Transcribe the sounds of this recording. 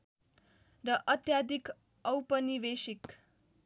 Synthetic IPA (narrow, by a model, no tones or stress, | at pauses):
ɾʌʔət̪jad̪ʱik | ʌwpəniʋeʃik